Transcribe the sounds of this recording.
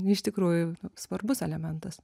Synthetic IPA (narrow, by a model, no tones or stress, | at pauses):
ɪʃt̪ʲɪkɾuːjʊnʊsʋɐrbʊsɛlʲɛmʲɛnt̪ɐs